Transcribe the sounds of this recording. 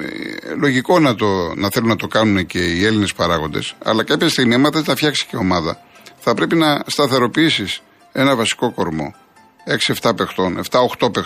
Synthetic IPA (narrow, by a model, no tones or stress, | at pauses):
lo̞ʝiko̞nɐt̪onɐθelunːɐt̪o̞kɐnunece̞ie̞linespɐɾɐɣo̞nd̪e̞̰sɐ̰lɐkɐpçɐst̪iɣmimɐθezt̪ɐfçɐksi̥ceo̞mɐðɐ̰θɐpɾe̞pinɐst̪ɐθe̞ɾo̞piisis | e̞nɐvɐsi̥ko̞ko̞ɾmo̞̰ | e̞ksieft̪ɐpe̞xt̪o̞ne̞̰ft̪ɐo̞xt̪o̞pex